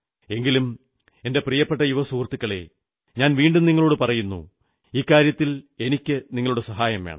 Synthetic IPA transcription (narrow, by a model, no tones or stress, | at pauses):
e̞ŋɡilum | e̞nde̞prijɐpːeʈːɐjuʋɐsuːrt̪ːikʲːɐɭe̞̰ | ɲaːnʋiːɳɖumniŋːɐɭoːɽɨpɐrɐjunːṵ | iːkːaːɾjɐt̪ːile̞nikʲːɨniŋːɐɭuɽesɐɦaːjɐmḛɳɨ̰